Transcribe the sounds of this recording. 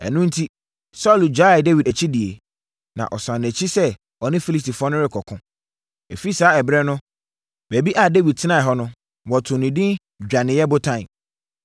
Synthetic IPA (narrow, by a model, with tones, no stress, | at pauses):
ɛ̰˨nũ˦n̩˦tʰi˦ | sɔ˦˨ld͡ʑᶣa˦ɪ˨de˦wi˨dæ˨t͡ɕʰi˦di˨e˨ | nã̰˨ʔɔ˨sã˨ñ˨æ˨t͡ɕʰi˦sɛ˦ | ɔ˨nɪ̃˦fi˦li˨sti˨fʊ˦ɔ˦nʊ̃˦ɾɪ˦kʰɔ˨kʰʊ̃˦ | e˨fi˦saː˦ɛ˨bɾɛ˦nʊ̃˦ | b̥æ˨bi˦ʔa˨de˦wi˨d̚tʰɪ˦nã˨ɛ˨ɦɔ˦nʊ̃˦ | wɔ˨tʰʊ̃˨nĩ˨dɪ̃˦n | d͡ʑᶣa˨nɪ̃˨jɛ˦bʊ˦tʰã˦˨